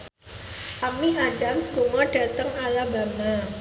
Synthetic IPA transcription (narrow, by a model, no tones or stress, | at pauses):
amiaɖa̤mskuŋɔɖ̥a̤t̪əŋalaba̤ma